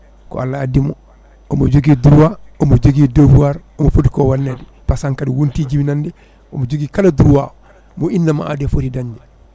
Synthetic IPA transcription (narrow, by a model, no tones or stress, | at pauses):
kɔ̰alːaːdimɔ | ɔmɔd͡ʒoɡiːduɾwaɔmod͡ʒoɡidobuwaɾɔmɔfotikɔwanːɛdɛ | pasaŋkadiwuntid͡ʒiminandɛ | ɔmod͡ʒoɡiːkaladuɾwaɔ | mɔinːama̰a̰dɛfotidaɲd͡ʒɛ